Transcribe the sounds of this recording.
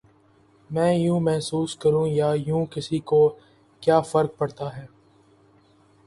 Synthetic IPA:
mɛ̃ːjũːmɛɦsuːskɐɾũːjaːjũːkɪsiko | kjaːfɐɾk̚pɐɽt̪aɦɛː

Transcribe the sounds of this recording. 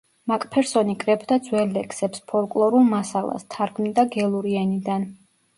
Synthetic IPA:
makʼpʰɛɾsɔnikʼɾɛbd̪ad̪zwɛlːɛkʰsɛpspʰɔlkʼlˠɔɾulˠmasalˠa̰st̪ʰaɾɡmid̪aɡɛlˠuɾiɛnid̪an

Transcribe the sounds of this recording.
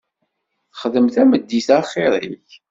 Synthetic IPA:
θəχðəmθæməd̪ːiθæχɪɾˤiç

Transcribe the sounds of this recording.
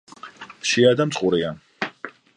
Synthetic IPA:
ʃiad̪amt̪sʼχʼuɾia

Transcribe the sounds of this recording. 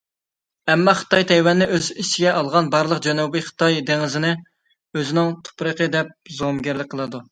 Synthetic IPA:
ɛmːɑχə̥t̪ɑjt̪ʰɛjwɛnːɪʔøzit͡ʃʰiɡʲɛʔɑlˠʁɑnbɑɾlˠəqd͡ʒɛnubiχə̥t̪ʰɑjd̪eŋɪzɪnɪ | øzɪnɪŋt̪ʰu̥pɾəqəd̪ɛp̚zomɡʲæɾlɪk̚ʲqʰəlˠɨd̪u

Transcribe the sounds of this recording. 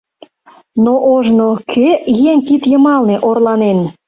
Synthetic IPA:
noʔoʒnokʰøjeŋkit̪jəmɑlneʔorlɑnen

